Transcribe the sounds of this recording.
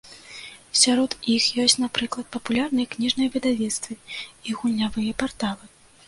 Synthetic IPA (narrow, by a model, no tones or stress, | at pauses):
sʲaɾɔt̪ixjɔsʲt͡sʲnapɾɨklˠɐt̪̚pɐpulʲarnɨjɐknʲiʐnɐjɐvʲɛd̪avʲɛt̪st̪vɨiɣulʲːavɨjɐpart̪alˠɨ